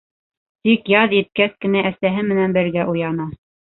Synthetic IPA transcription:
t̪ikjɑðjɘ̆t̪̚kæθkɘ̆næʔæsæɦɘmɘ̆nænbɘ̆ɾɡæʔujɑnɑ

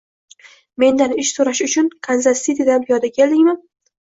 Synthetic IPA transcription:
me̞nd̪anɪʃsoɾaʃʊt͡ʃʰʊnkʰanzast̪it̪ʰɪd̪anpʰijɒd̪akʲʰe̞ld̪ɪŋman

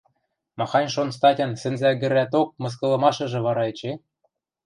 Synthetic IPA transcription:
mɑxɑnʲʃonst̪ɑtʲɤ̆nsɘ̆nzæɡʲɘ̆ɾæt̪̬ok̚mɤ̆s̬kɤ̆lˠɤ̆mɑʃɤ̆ʒɤ̆βɑɾɑĕt͡ɕe

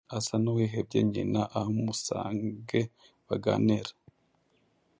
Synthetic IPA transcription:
asanuweɦeb̚ɟḛɲinaʔahomusa̰ːŋɡe | βaɡa̰neɾa

